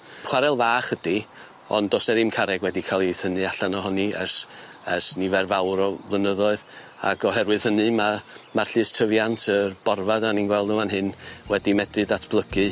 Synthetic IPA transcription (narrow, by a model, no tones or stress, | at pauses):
χwaɾɛlˠvaːχəd̥i | ɔ̰ndosɛɾɨmkʰaɾɛɡwɛdikʰalˠiθənɨaɬanɔɦɔniɛ̰rs | ɛrsnivɛrvawɾɔblˠənəðɔɨð | a̰ɡɔɦɛɾwɨð̥hənɨmamar̥ɬɨːstʰəvjantʰərb̥ɔrvadaninɡwɛlˠdəmanɦɨnwɛdimɛdrɨdatʰb̥lˠəɡɨ